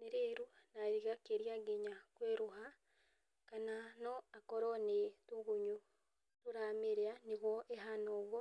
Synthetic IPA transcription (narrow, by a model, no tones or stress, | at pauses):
neɾeɾunaɾiɣakeɾiaɡeɲakweɾoɦa | kananɔakɔɾɔnetuɣuɲu | toɾameɾeaneɣwɔʔeɦanɔːɣwɔ